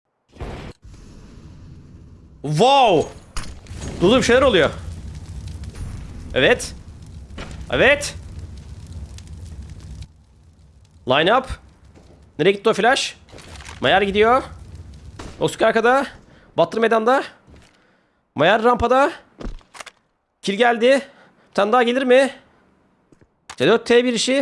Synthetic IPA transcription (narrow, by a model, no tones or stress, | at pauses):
vaw | d̪̥ud̪uːmʃejlʲæɾolˠujo | evɛt̪ | ḛvɛt̪ | lˠajnap | neɾɛɟit̪ːoflʲaʃ | majaɾɟid̪ijo | oskaɾkad̪a | bat̪ʰɯɾmed̪and̪a | majaɾːampad̪a | cʰilʲɟælʲd̪ɪ | t̪ʰand̪aːɟelʲiɾmɪ | t͡ʃʰed̪øɾt̪ʰːeːbiɾiʃɪ